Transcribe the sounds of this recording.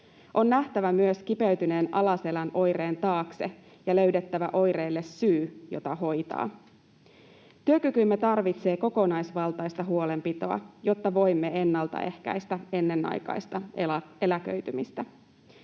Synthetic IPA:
ʔo̞nːæht̪æʋæmyøskipeɥt̪yne̞ːnʔɑlɑse̞lænʔo̞jɾe̞ːnt̪ɑːkse̞̰ | jɑlø̞ɥdet̪ːæʋæʔo̞jɾeːlːe̞sːyːjo̞̰t̪ɑho̞jt̪ɑ̰ː | t̪yøkykymːet̪ɑrʋit̪se̞ːko̞ko̞nɑjsʋɑlt̪ɑjst̪ɑɦuo̞le̞mpit̪o̞ɑ̰jo̞t̪ːɑʋo̞jmːe̞e̞nːɑlt̪ɑ̰ʔe̞hkæ̰jst̪æe̞nːe̞nːɑ̰jkɑ̰jst̪ɑelækø̰ɥt̪ymist̪æ

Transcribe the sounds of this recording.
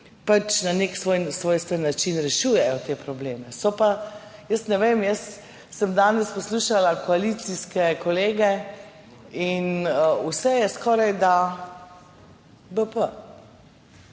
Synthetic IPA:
pat͡ʃnaneksʋoːjsʋoːjst̪ənːat͡ʃinɾɛʃuːjɛjɔt̪eːpɾɔbleːmɛsɔpa | jəst̪nɛʋeːmjəs | səmd̪aːnɛspɔsluːʃalakɔalit̪siskɛkɔleːɡɛ | inəusɛjɛskɔːɾajd̪a | bəpə

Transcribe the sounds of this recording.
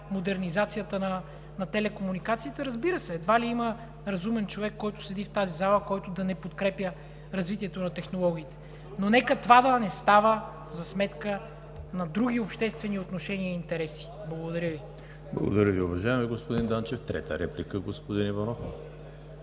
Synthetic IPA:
mod̪ɛɾnizat̪sijət̪ənɐ | nɐt̪ɛlɛkomunikat̪siːt̪əɾɐzbiɾəsɛːd̪valiimə | ɾɐzumɛnt͡ʃovɛkːɔjt̪ʊ̥slɛd̪ift̪azizalˠəkɔjt̪ʊd̪ɐnɛpot̪kɾɛpjə | ɾɐzvit̪ʲiɛt̪onɐt̪ɛxnolˠɔɡ̟ʲiːt̪ɛ̥ | nonɛkət̪vad̪ɐnɛst̪avə | zɐsmɛt̪kə | nɐd̪ɾuɡ̟ʲiopʃt̪ɛst̪vɛniot̪noʃɛniəiint̪ɛɾɛsi̥ | blˠɐɡod̪ɐɾʲəvi | blˠɐ̰ɡo̰d̪ɐɾʲəviʊvɐʒaɛmɛɡospod̪ind̪ant͡ʃɛft̪ɾɛ̰t̪ə̰ɾɛplikəɡospod̪inivɐnɔf

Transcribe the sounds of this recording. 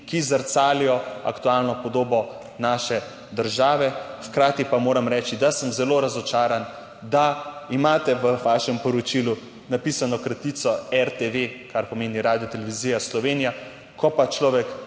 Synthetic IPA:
kizəɾt̪saːlijɔa̰kt̪ualnɔpɔd̪oːbɔ | naːʃɛ | d̪əɾʒaːʋɛxkɾaːt̪ipamoːɾamɾɛːt͡ʃid̪asəmzɛloɾazɔt͡ʃaːɾan | d̪aimaːt̪ɛʋəʋaʃɛmpɔɾɔt͡ʃilu | napisanɔkɾat̪it̪sɔɛɾt̪eʋekaɾpɔmeːniɾaːd̪ijɔt̪ɛlɛʋiziːjaslɔʋenija | kʰɔpat͡ʃlɔːʋɛk

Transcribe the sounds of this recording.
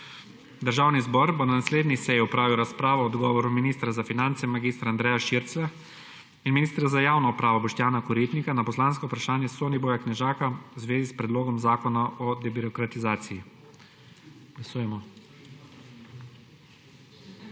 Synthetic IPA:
d̪əɾʒaːwnizbɔɾbɔnanasleːd̪nisɛjiupɾaːʋiwɾaspɾaːʋɔːd̪ɡɔːʋɔɾuminiːst̪ɾazafinant̪sɛmaɡist̪ɾaːnd̪ɾɛːjaʃiɾt̪sʋɛ | inminiːst̪ɾazajaːwnɔupɾaːʋɔbɔʃt̪jaːnakɔɾit̪nikanapɔslaːnskɔupɾaʃaːnjɛsoːniboːjaknɛʒaːkawzʋeːzispɾɛd̪loːɡɔmzaːkɔnaɔd̪ɛbiɾɔkɾat̪izaːt̪siji | ɡ̥lasuːjɛmɔ

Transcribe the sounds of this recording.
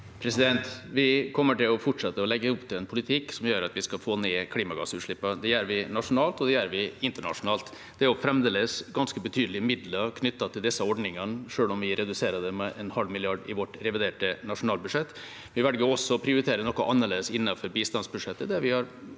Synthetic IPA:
pʰɾɛsɪd̪ɛnt̪ʋɪkʰɔmːəʈɪlɔfɔʈʂɛt̪ːəɔlɛɡːəʊpt̪ʰɪlɛnpʰʊlɪt̪ʰɪkːsɔmjøːɾɑt̪ʋɪskɑlfoːneːkʰliːmɑɡɑ̰sʉːt̪ʂɭɪpːɑd̪ɛjæːɾʋɪnɑʂʊnɑːlt̪ɔd̪ɛjæːɾʋɪɪnt̪əɳɑ̰ʂʊnɑːlt̪ | d̪̥ɛæɾɔfɾɛmd̪eːləd̪əsɡɑnskəbət̪ʰyːd̪lɪəmɪd̪ləkʰnʏt̪ːɑt̪ʰɪld̪ɛsːəɔɖnɪŋənʂøːlɔmʋɪɾɛd̪ʉseːɾəd̪ɛmɛʔɛnhɑlmɪlɪɑɖɪʋɔʈɾɛʋɪd̪eːʈənɑʂʊnɑːlbʉʂɛt̪ː | ɪʋælɡəɔsːɔpʰɾɪʊɾɪt̪ʰeːɾənɔkːɔʔɑnːəɭeːd̪əsɪnːɑfɔɾbiːst̪ɑnsbʉʂɛt̪ːəd̪æɾʋɪhɑɾ

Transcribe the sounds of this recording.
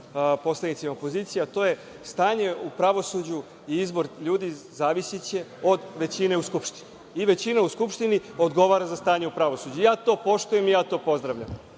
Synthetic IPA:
po̞slˠednit̪simaopo̞ziːt̪sijat̪o̞ːje̞ | st̪aːɲe̞upɾaʋo̞sud͡ʑu | iizbo̞ɾʎuːd̪izaːʋisit͡ɕe̞o̞d̪ʋe̞t͡ɕine̞uskupʃt̪i̥niːʋe̞t͡ɕinauskupʃt̪inio̞d̪ɡo̞ʋaːɾazast̪aːɲeupɾaʋo̞sud͡ʑujaːt̪o̞ːpo̞ʃt̪ujemijaːt̪o̞po̞zd̪ɾaʋʎa̰m

